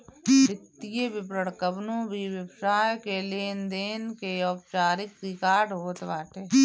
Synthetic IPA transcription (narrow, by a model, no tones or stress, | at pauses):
ɪt̪ːijebɪbɾəɽkəbnõbʱiʋəbʃaːjkeleːnd̪eːnkeɔːp̚t͡ʃaːɾɪkɾɪkaːɾɖɦoːt̪ʋaːʈeː